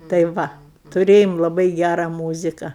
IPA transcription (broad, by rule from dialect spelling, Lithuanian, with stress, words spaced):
tɐɪ ˈʋɐ tʊˈrʲeːjoːm lˠɐˈbɐɪ ˈɡʲærɐ ˈmuːzʲɪkɐ